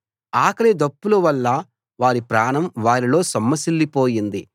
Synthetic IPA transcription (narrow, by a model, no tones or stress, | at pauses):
aːkɐled̪ɐpːulɐʋɐlːɐ | ʋaːɾipɾaːɳɐmʋaːɾilo̞ːsɐmːɐsilːipo̞ːjind̪i